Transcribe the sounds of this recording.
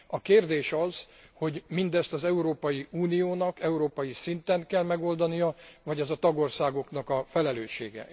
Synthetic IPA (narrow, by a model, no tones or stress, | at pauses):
ɒkeːrd̪eːʃɒzho̞ɟmind̪ɛst̪ɒzɛuɾoːpɒjiuːnijoːnɒkɛuɾoːpɒjisint̪ɛnkɛlmɛɡo̞ld̪ɒnijɒvɒɟɛzɒt̪ɒɡo̞rsaːɡo̞knɒkɒfɛlɛløːʃːḛːɡɛ̰